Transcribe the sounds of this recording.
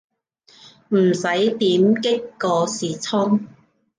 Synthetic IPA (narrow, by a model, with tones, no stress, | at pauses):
m̩˨˩sɐ˨˥jt̪iː˨˥mkɪ˥kːɔː˧siː˨t͡sʰʊ˥ŋ